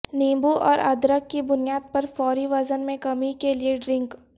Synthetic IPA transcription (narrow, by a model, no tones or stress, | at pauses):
niːmbuʔɔ̰ːɾʔɐ̰d̪ɾəkːibʊnijaːd̪̚pɐɾfɔːɾiʋɐzənmẽkɐmikelieɖɾɪ̃ŋk